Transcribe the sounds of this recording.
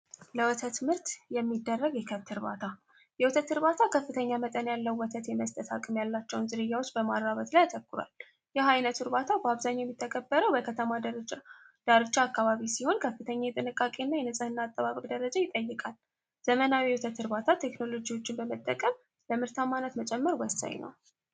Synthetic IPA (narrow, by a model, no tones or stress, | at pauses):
ləwɔt̪ʰət̪mɨɾt̪jɛmːid̪ːərːəɡjɛkʰət̪ʰːɨɾβa̰t̪ʰa | jɛwɔt̪ʰət̪ːɨɾβat̪ʰakʰəfːɨt̪ʰəɲːamət̪ʼənjalːəwːɔt̪ʰət̪jɛməst̪ʼət̪ʰa̰kʼɨmjalːat͡ʃːɛwnzɨɾɨjːawot͡ʃːbəmaɾːaβət̪lajat̪ʰəkːʊɾwa̰l | jɛɦajnət̪ʰuɾbat̪ʰabəaβzaɲːjɛmːit̪ʰːəkʼəbːəɾəwbəkʰət̪ʰəma | d̪̥aɾɨt͡ʃːaːkːaβaβisiho̞nkʰəfːɨt̪ʰəɲːajɛt̪ʼɨnɨkʼːakʼenːajɛnɨsʼɨhɨnːaːt̪ʼːəβaβəkʼd̪əɾəd͡ʒajɪt̪ʼəjːɨkʼal | z̥əmənawiwut̪ʰət̪ʰːɨɾβat̪ʰat̪ʰe̞kno̞lo̞d͡ʒiwo̞t͡ʃːɪnbəmət̪ʼːəkʼəm | ləmɨɾt̪ʰamːanət̪mət͡ʃʼɛmːəɾwəsa̰ɲnə̰w